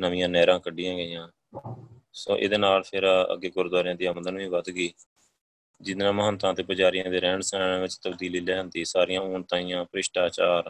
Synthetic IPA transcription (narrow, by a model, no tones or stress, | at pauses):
nəʋɪ̃jãːnɛːɾãːkəɖɪjãːɡəjãː | sõ̰ːʔḛːd̪eːnaːlpʰɪɾə̰ɡːeːɡʊɾd̪aːɾjãːd̪iːəməd̪ənʋĩːʋəd̪ɡiː | d͡ʒɪd̪nãːməɦənt̪ãːt̪eːpʊd͡ʒaːɾɪjãːd̪eːɾɛ̃ːɳsɛːnãːʋɪt͡ʃt̪əbd̪iːliːlɛːnd̪iːsaːɾɪjãːuːɳt̪ãːiːjãːpɾɪʃʈaːt͡ʃaːɾ